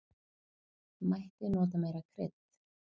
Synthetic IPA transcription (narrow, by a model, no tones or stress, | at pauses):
majht̪ɪnɔːt̪̬ameːjɾakʰɾɪ̰t̪